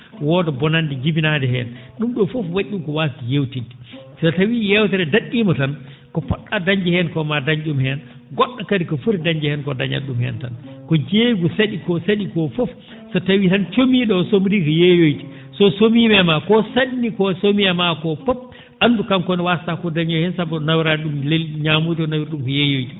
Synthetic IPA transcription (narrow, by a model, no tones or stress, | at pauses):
wɔdɛbɔnandid͡ʒibinadɛɦɛ̰n | ɗumɗɔfofwaʔʲːumkɔwastijewtidisɔtawiːjɛwtɛɾɛdaɗːimɔtan | kɔpɔɗːadaɲd͡ʒɛhɛnkɔmadaɲd͡ʒumhɛn | ɡɔɗːakadikɔfuɾdaɲd͡ʒɛhɛnkɔda̰ɲa̰ɗumhɛ̰nta̰nkɔd͡ʒeːɡusaɗikɔsaɗikɔfɔf | sɔtawitant͡ʃomiːɗɔsomɾiːkɔjejojti̥ | sɔsomiːmɛmakɔsaɗinikɔsomijamakɔpɔp̚ | ʔandukamkɔniwastakɔdaɲd͡ʒɔhɛnsabːɔnawiɾaɗumlelɲamuːtɔnawiɾɗumkɔjejojti